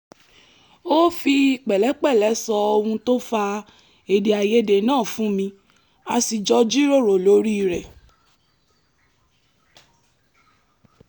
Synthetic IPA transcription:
o˦fi˧k͡pɛ˨lɛ˨˦k͡pɛ˦˨lɛ˨˦sɔ˧o˧hũ˧to˦fa˧ | e˨de˨a˨je˦de˨nãː˦˨fũ˦mĩ˧ | a˧si˨d͡ʒɔ˧d͡ʒi˦ɾo˦˨ɾo˨lo˨˦ɾi˦˧˨ɾɛ˨

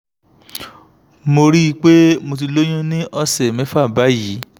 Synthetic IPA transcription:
mo˧ɾi˦˧˦k͡pe˦mo˧t̬i˧lo˦j̃ũ˦nĩ˦ʔɔ˧sɛ˨mẽ˨˦fa˦˨ba˨˦ji˨˦

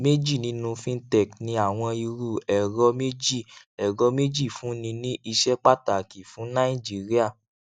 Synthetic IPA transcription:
me˦d͡ʒi˦˨nĩ˧nũ˧fĩ˦tɛ˦˨knĩ˧a˦˨w̃ɔ̃˧i˧ɾu˦˨ɛ˨ɾɔ˧me˦d͡ʒi˦˨ | ɛ˨ɾɔ˨˧˦me˦d͡ʒi˦˨fũ˨˦nĩ˧nĩ˦ʔi˧ʃɛ˦k͡pa˦ta˨ki˨fũ˨˦nã˦i˦˨d͡ʒi˨˦ɾi˦a˦˨

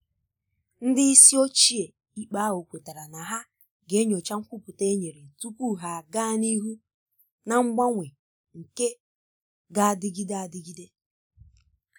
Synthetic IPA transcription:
n̩˦dɪ˦i˦si˦o˦t͡ʃi˦e˨ | i˦k͡pa˦o˨kʷe˨ta˨ɾa˨na˨ɦa˦ | ɡe˨˦ɲo˨t͡ʃa˦ŋ̩˦kʷʊ˦pu˨te˦ɲe˨ɾe˨tu˦kʷu˦ɦa˨ɡaː˦˨ni˦ɦu˦ | na˨ŋ͡m̩˦ɡ͡ba˦ŋʷe˨ | ŋ̩˨ke˦ | ɡa˦a˨dɪ˦ɡi˦de˦a˨dɪ˦ɡi˦de˦

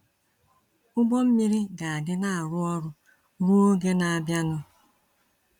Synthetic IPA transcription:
ʊ˦ɡ͡bɔ˦m̩˦mi˦ɾi˦ɡa˨a˨dɪ˦na˦a˨ɾʊ˦ɔ˦ɾʊ˦ | ɾu˦o˦ɡe˦na˨a˨bja˦nʊ˦

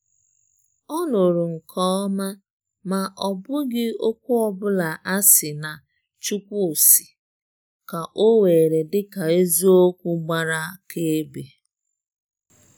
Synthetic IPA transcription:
ɔ˦nʊ˨ɾʊ˨ŋ̩˨kʰɔ˦ma˦ | ma˨ɔ˨bʊ˦ɡɪ˦o˦k̚ʷu˦ɔ˨bʊ˦la˨ʔa˦sɪ˨na˨ | t͡ʃu˦kʷu˦o˨si̥˨ | ka˨ʔo˦we˨ɾe˨dɪ˦ka˨e˦zu˦o˦kʷu˦ɡ͡ba˦ɾa˦ke˦e˦be˨

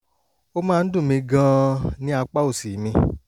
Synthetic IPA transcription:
o˦mãː˦˧n̩˦dũ˦˨mĩ˧ɡã˧˦nĩ˦a˧k͡pa˦o˦˨si˨˦mĩ˧

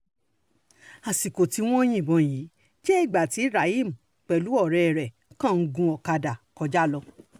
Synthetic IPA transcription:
a˨si˨ko˨ti˧w̃ɔ̃˦j̃ĩ˦˨bɔ̃˨˧ji˨˦ | ʃe˦i˦˨ɡ͡ba˨ti˨˧˦i˦˨ɾa˨i˦˨m̩˨ | k͡pɛ˨lu˨˦ɔ˦˨ɾɛ˨˧˨ɾɛ˨ | kã˦˨n̩˧ɡũ˧ɔ˨ka˧da˨kɔ˧d͡ʒa˦˨lɔ˧

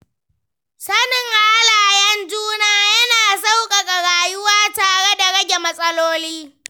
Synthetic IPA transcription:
sɐ˦nɪ˨ŋʔa˨ʔa˦laː˨jɐ˦nd͡ʒuː˦naː˦jɐ˦naː˨sa˦wkʼa˨kʼa˨ɽaː˨jʊ˦waː˦taː˨ɽe˦da˨ɽɐ˦ɡʲe˨mɐ˦sʼɐ˦loː˦liː˦

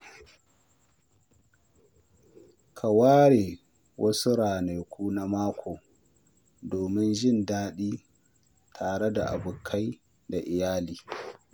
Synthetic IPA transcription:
kʰa˨waː˦ɽeː˨ | wʔɐ˦su˦ɾaː˨ne˨jkʷuː˦na˦maː˦kʰʷoː˨ | doː˨mɪ˦nʒɪ˦ndaː˦ɗiː˦ | tʰaː˨ɽɛ˦da˨ʔa̰˨bʊ˨kʰa˦j | da˨ʔɪ˨jaː˦liː˨

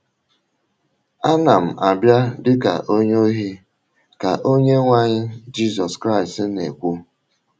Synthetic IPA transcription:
a˦na˨m̩˨a˨bja˦dɪ˦ka̰˨ʔo˦ɲo˦ɦi˦ | ka˨ʔo˦ɲe˦ŋʷa˦ɲɪ˦d͡ʒi˦sɔ˨skɾa˦ɪ˨stne˨kʷu˦

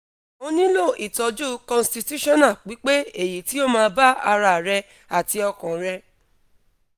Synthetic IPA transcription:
o˧nĩ˦lo˦˨ʔi˨tɔ˧˦d͡ʒu˦kɔ̃˧˨sti˧tu˦ʃɔ̃˦˨nã˦˨k͡pi˨˦k͡pe˦e˨ji˨ti˦o˦˨mãː˧ba˦a˧ɾa˧˨ɾɛ˧ | a˨ti˧ɔ˧kɔ̃˨ɾɛ˧

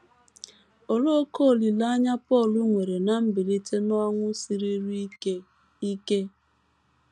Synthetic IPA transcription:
o˨lo˦ko˦˨li˨la˦ɲa˦pɔ˦˨lʊ˦ŋʷe˨ɾe˨na˨m̩˦bi˨li˦te˦nɔ˦ŋʷʊ˦si˨ɾi˦ɾ | i˦ke˦

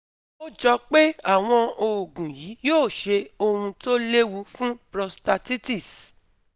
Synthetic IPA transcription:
o˦d͡ʒɔ˧k͡pe˦a˦˨w̃ɔ̃˧o˨ɡũ˨ji˨˦joː˦˨ʃe˧o˧hũ˧to˦le˦wu˧fũ˦pɾɔ˧sta˧ti˦ti˦˨s

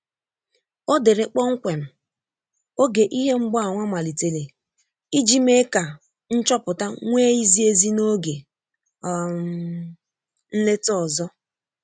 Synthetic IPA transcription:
o˦de˨ɾe˨k͡pɔ˦ŋ̩˦kʷe˨m̩˨ | o˦ɡe˨ʔi˦ɦe˦ŋ͡m̩˦ɡ͡bɔ˦a˨ŋʷa˦ma˨li˨te˨le˨ | i˦d͡ʒi˦me˦ka˨ | n̩˦t͡ʃɔ˦pʊ˨ta˦ŋʷe˦i˦zi˦e˦zi˦no˦ɡe˨˦ | n̩˦le˦tɔ˨zɔ˦

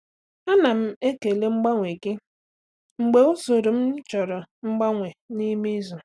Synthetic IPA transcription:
a˦na˨m̩˦e˦ke˨le˦ŋ͡m̩˦ɡ͡ba˦ŋʷe˨ke˦ | ŋ͡m̩˨ɡ͡be˨u˦so˨ɾo˨m̩˦t͡ʃɔ˨ɾɔ˨ŋ͡m̩˦ɡ͡ba˦ŋʷe˨ni˦me˦zu˨

